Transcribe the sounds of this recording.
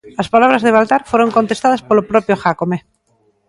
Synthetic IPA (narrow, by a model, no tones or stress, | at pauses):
laspalaβ̞ɾazðeβ̞alt̪aɾfweɾo̞ŋko̞nt̪e̞st̪aðaspolopɾopjoxakome